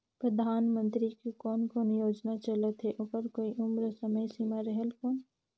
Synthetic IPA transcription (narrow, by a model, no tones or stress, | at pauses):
pɾəd̪ʱaːnmə̃nt̪ɾikekɔːnkɔːnjoːd͡ʒnat͡ʃələt̪ɦeʔʊpəɾkoːiʔʊmɾəsəməjsiːmaɾəɦelkɔːn